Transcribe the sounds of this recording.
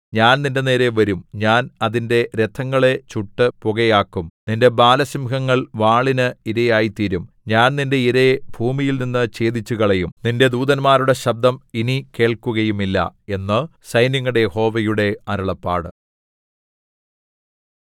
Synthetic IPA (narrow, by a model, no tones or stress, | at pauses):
ɲaːnninde̞ne̞ːɾe̞ʋɐɾumɲaːnɐðinde̞ɾe̞t̪ʰːɐŋːɐɭe̞t͡ɕuʈːɨpoɣɐjaːkːumninde̞baːlɐsimɦɐŋːɐɭʋaːɭinɨiɾɐjaːjit̪iɾum | ɲaːnninde̞iɾe̞bʱuːmijilninːɨt͡ɕe̞ːd̪it͡ɕːuɣɐɭejumninde̞d̪uːðɐnmaːɾuɽe̞ɕɐb̚d̪ʱɐminike̞ːɭkuɣɐjumilːɐ̰e̞nːɨsɐjnɐŋːuɽejeho̞ːʋɐjuɽe̞ɐɾɐɭɐpːa̰ːɽɨ